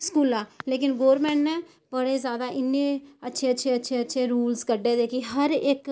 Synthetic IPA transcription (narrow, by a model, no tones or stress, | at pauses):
skuːlãːleːkɪnɡoːɾmɛ̃ːɳʈnɛː | bəɽeːzjaːd̪aːʔɪnːẽːətːʃʰeːətːʃʰeːətːʃʰeːətːʃʰeːɾuːlskəɖːeːd̪eːkiɦəɾɪk